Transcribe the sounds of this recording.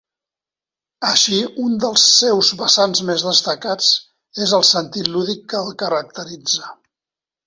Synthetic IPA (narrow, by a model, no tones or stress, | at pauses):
əʃiund̪əlˠsːewzβəsanzmezðəst̪əkat͡s | ezəlˠsənt̪it̪luðikːəːlˠkəɾək̚t̪əɾid͡zə